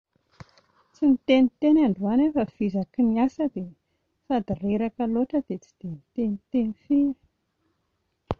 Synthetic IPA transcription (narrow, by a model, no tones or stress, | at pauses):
t͡sinit̪enit̪enaɳɖ͡ʐuanefəfizakiniasəd̪e | sad̪ireɾakəloʈ͡ʂəd̪̥et͡si̥d̪̥enit̪enit̪enifii̥